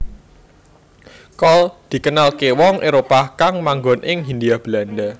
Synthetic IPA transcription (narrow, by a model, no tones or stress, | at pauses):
kɔld̪̥i̤kənalkewɔŋʔeɾopakaŋmaŋɡɔnʔɪŋɦind̪iab̥land̪a